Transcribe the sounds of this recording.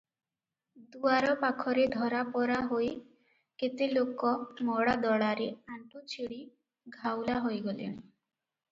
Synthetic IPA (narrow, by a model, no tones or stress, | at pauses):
d̪uaɾɔpakʰɔɾed̪ʱɔɾapɔɾaɦoj | ket̪elokɔmɔɽad̪ɔɭaɾeaɳʈut͡ʃʰiɽi | ɡʱawlaɦojɡolḭñ